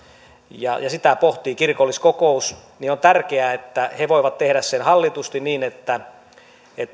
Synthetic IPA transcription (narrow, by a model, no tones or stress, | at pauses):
jɑjɑsit̪æpoht̪iːkirkolːiskokousniont̪ærkeæet̪ːæheʋoiʋɑt̪t̪ehɾæssenhɑlːit̪ust̪iniːnet̪ːæ | et̪ː